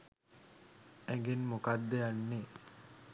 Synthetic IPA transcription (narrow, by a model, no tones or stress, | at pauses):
æɡenmukad̪ːejanːe